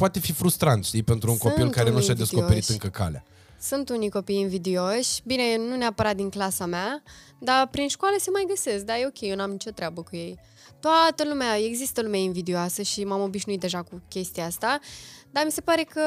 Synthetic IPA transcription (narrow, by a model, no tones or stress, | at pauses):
pat̪e̞fifɾust̪ɾant̪ʃt̪ijpe̞nt̪ɾuuŋkopilnkaɾenuʃad̪e̞skko̞oeɾit̪ɨŋkəka̰lea̰ | sunt̪unijko̞pijinvid̪io̞ʃʲbine̞nuneapəɾat̪̚d̪iŋklasamea | d̪apɾinʃkwaləse̞majɡəse̞sk̚d̪ajeo̞kʲejewnamnit͡ʃo̞t̪ɾeabəkuje̞j | t̪oat̪əlumeae̞ɡzist̪əlumeainvid̪ioasəʃimamo̞biʃnuit̪d̪eʒakukʲe̞st̪ijaast̪ad̪amise̞paɾe̞kə